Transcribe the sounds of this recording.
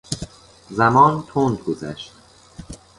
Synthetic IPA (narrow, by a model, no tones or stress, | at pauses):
zæmɒːnt̪ʰoːnd̪̚ɡozæ̰ʃt̪